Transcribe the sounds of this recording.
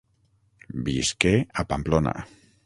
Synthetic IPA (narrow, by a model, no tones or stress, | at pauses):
biskeapamplona̰